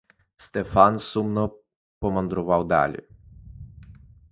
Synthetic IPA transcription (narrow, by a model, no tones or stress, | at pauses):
st̪ɛfansumnɔ | pɔmand̪ɾuʋawd̪a̰lʲɛ̰